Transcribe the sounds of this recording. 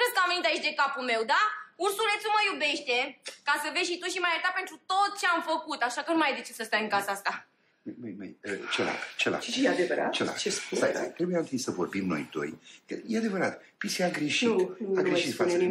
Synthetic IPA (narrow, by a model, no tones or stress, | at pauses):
ɾeskəamvenit̪aet͡ʃd̪e̞kapulme̞wd̪aursule̞t̪sʲuməjube̞ʃt̪e̞kasəveʃit̪uʃimajəɾt̪ape̞nt̪ɾut̪o̞t̪̚t͡ʃe̞amfəkut̪aʃakənumaajd̪e̞t͡ʃe̞səst̪ajɨŋkasəast̪a | njmujmḛjət͡ʃela̰kt͡ʃela̰ad̪evəɾa̰t̪t͡ʃela̰t͡ʃespuat̪ɾebujant̪ɨnsəvo̞rbimno̞̰jt̪o̞̰jkəjead̪e̞vəɾat̪ | pisiaɡɾeʃit̪aɡɾeʃit̪fas